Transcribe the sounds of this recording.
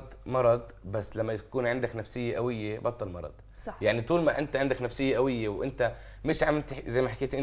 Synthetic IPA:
d̪mɑɾˤɑd̪ˤbasːlamːat̪ḁkuːnʕɪnd̪aknafsɪjːeʔawɪjːebɑt̪ˤːɑlmɑɾˤɑ̰d̪̥ˤ | jaʕnit̪ˤuːlmaʔɪnt̪aʕɪnd̪aknafsɪjːeʔawɪjːewʔɪnt̪a | mɪʃʕamt̪zajːmaħakeːt̪ʔɪn

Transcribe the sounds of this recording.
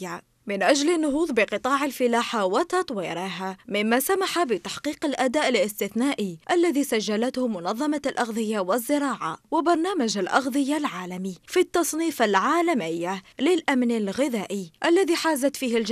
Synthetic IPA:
a | mɪnʔad͡ʒlɪnːʊɦuːðˤbɪqɨt̪ˤɑːʕalfɪlaːħawat̪ɑt̪ˤwiːɾɪɦamɪmːaːsamaħabɪt̪aħqiːqalʔad̪aːʔɪlɪst̪ɪθnaːʔiʔalːaðiːsaʒːalat̪hʊmʊnɑðˤːɑmalʔɑɣðˤɨjawɪzːɪɾˤɑːʕa̰wɪbɑɾˤnaːmad͡ʒalʔɑɣðˤɨjalʕaːlamifit̪ːɑsˤniːfalʕaːlamɪjːalɪlʔamnalɣɪðaːʔiʔalːaðiːħaːzat̪fiːhɪld͡ʒ

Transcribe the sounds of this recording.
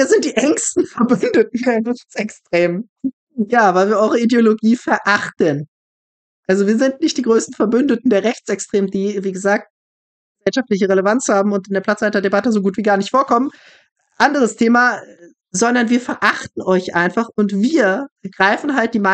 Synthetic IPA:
viːɐzɪntd̥iːʔɛŋstn̩fɛɐbʏndət̚n̩deːɐʁɛçt͡sɛkstʁ̥eːm | jaːvaɪlviːɐʔɔʏʁəideoloɡiːfɛɐʔaχtən | ʔalzoviːɐzɪntnɪçtd̥iːɡʁøːstn̩fɛɐbʏndətn̩deːɐʁɛçt͡sʔɛkstʁ̥eːməndiːviːɡəzaːk̚t̚ | ɡ̥əz̥ɛlʃaftlɪçəʁelevant͡shaːbm̩ʊntɪndeːɐpl̥at͡saɪtɐdebatəzoɡuːtv̥iːɡaːɐnɪçtfoːɐkʰɔmən | ʔandəʁ̞əstʰeːma | zɔndɐnviːɐfɛɐʔaχtn̩ʔɔʏçʔaɪnfaχʊntv̥iːɐɡ̥ʁaɪfn̩ɦalt̚d̥iːma

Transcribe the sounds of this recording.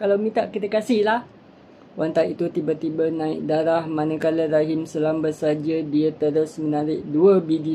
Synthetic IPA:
kalawmĩnt̪aʔkit̪əkasɪhlah | want̪aʔit̪ut̪ibat̪ibənãɪk̚daɾahmanə̃kaləɾaɦimsəlambəsad͡ʒədiət̪əɾʊsmənaɾɪʔ̚duəbidi

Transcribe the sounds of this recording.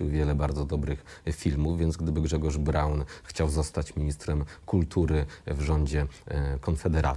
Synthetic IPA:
iwvʲjɛlɛbaɾd̪zɔd̪ɔbɾɘxfʲilmuvvʲjɛnt̪ɡd̪ɘbɘɡʐɛɡɔʐbɾawnxt͡ɕawzɔst̪at͡ɕmʲiɲist̪ɾɛmkult̪ʰuɾɘvʐɔɲd͡ʑɛkɔnfɛd̪ɛɾa̰

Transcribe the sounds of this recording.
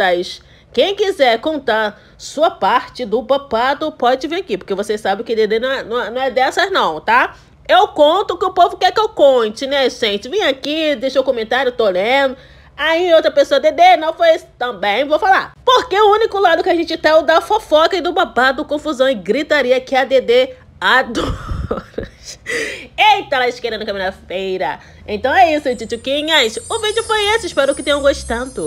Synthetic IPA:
ɐjʃ | kẽj̃kizɛɾkõnt̪aɾ | suɐpaɾt͡ʃɪd̪ʊbapad̪ʊpɔd͡ʒɪvẽakipoɾkevosesabẽkɪd̪ed̪enɐ̃w̃ɛnɐ̃w̃ɛnɐ̃w̃ɛd̪ɛsɐznɐ̃w̃t̪a | ewkõnt̪ʊkɪʊpovʊkɛkɪewkõt͡ʃɪnɛsẽt͡ʃɪvĩj̃akid̪ejʃoʊkõmẽnt̪aɾjʊt̪olẽd̪ʊ | aiowt̪ɾɐpesoɐd̪ed̪enɐ̃w̃fojst̪ɐ̃bẽj̃vowfala̰poɾkeʊũnikʊlad̪ʊkɪaʒẽnt͡ʃɪt̪ẽʊd̪ɐfofɔkɐɪd̪ʊbabad̪ʊkõfuzɐ̃w̃ɪɡɾit̪aɾiɐkɪɐd̪ed̪e | ad̪uɾs | et̪alaɪʃkeɾɐ̃nʊkamĩnɐfejɾɐ | ḛ̃t̪ɐ̃w̃ɛisʊit͡ʃit͡ʃukĩɲɐsʊvĩd͡ʒʊpõjesɪɪʃpɛɾʊkɪt̪ẽj̃ɐ̃ɡoʃt̪ɐ̃d̪ʊ

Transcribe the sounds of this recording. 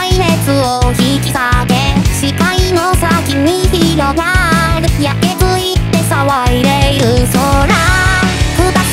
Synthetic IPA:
aimet͡sɯoçikikaɡeɕikainosakiɲːiçiɾomaɾɯjakːetɯit̪ːesawaiɾeiɾɯsoɾa | ɯt̪a

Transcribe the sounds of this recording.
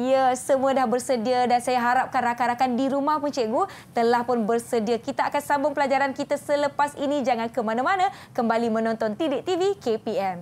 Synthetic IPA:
ijəsəmũədahbərsədiədansajaɦaɾap̚kanrakaɾakandiɾumahpʊnt͡ʃeʔɡut̪əlahpʊnbərsədiəkit̪aʔakansabʊŋpəlad͡ʒaɾankit̪asələpasinĩd͡ʒaŋankəmanãmanã | kəmbalimə̃nɔ̃nt̪ɔnt̪idɪʔ̚t̪ivikepiɛm

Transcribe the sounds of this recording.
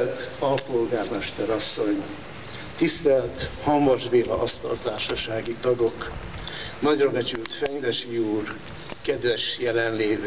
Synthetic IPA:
lt̪ɒlpolɡaːrmɛʃt̪ɛɾɒsːo̞ɲ | t̪ist̪ɛlt̪hɒmːɒʒbeːlɒ̰ʔɒst̪ɒ̰lt̪aːrʃɒʃaːɡit̪ɒɡo̞k | nɒɟrɒbɛt͡ʃylt̪fɛŋd̪ɛʃiuːr | kɛd̪ʋɛʃjɛlɛnleːv

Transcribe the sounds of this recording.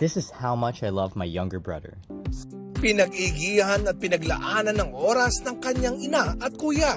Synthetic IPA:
ð̥ɪsɪz̥hawmʌt͡ʃajlʌvmajːʌ̃ŋɡə˞bɹʌ̰ðə̰˞ | pɪnɐɡ̚iɡihɐnɐt̪̚pɪnɐɡlɐ̰ʔaːnɐnːɐŋʔoːɾɐsnɐŋkɐɲaŋɪnaʔɐt̪̚kuːja

